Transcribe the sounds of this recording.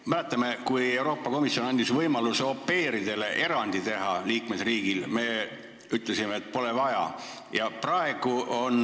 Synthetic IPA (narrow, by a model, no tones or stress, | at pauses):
mælæt̪ˑːɑme̞kuje̞wɾo̞ːpːˑɑko̞misjo̞nɑnʲd̪isvɤjmɑluso̞pːe̞ːɾid̪̥e̞le̞ʔe̞ɾɑnd̪̥it̪e̞ɦɑliːkme̞sriːɡ̥ilme̞ | yt̪ˑlesimeːt̪̚ːˑpo̞levɑjɑ̰ | jɑprɑe̞ɡ̥uo̞n